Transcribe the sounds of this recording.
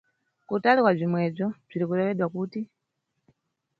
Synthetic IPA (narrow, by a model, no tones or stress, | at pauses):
kutalikwab͡ʐimwɛb͡ʐɔb͡ʐiɾikuɾɛwɛɗwakuːti